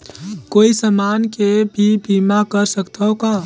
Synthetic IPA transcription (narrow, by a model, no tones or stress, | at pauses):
koisəmankebʱibʱimakəɾsəkt̪ʰəoka